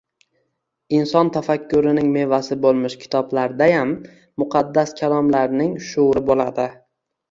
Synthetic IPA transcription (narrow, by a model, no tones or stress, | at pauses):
ɪnsɒnt̪ʰafakʲʰːʊɾɪnɪŋme̞vasɪbolˠmɪʃkʲʰɪ̥t̪ʰɒblaɾd̪ajamː | ʊqʰɑd̪ːaskʲʰalˠɒmlaɾnɪŋʃʊɾɪbolad̪ɪ